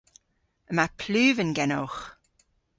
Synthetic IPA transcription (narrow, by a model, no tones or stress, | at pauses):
əmapʰlʉːvənɡɛnowx